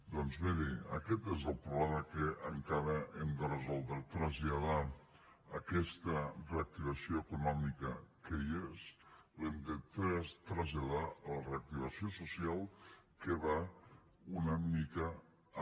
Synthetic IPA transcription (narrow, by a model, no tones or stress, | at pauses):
d̪ɔnzβeɾeə̰kɛt̪ezəlˠpɾuβlɛməkəʔəŋkaɾəʔɛmd̪ərəzɔlˠd̪ɾət̪ɾəzʎað̞a | əkɛst̪əreək̚t̪iβ̞ɐsioəkunɔmikəkəjeslemd̪ət̪ɾst̪ɾəzʎaðaləreək̚t̪iβəsiosusialˠkəβa | unəmnikə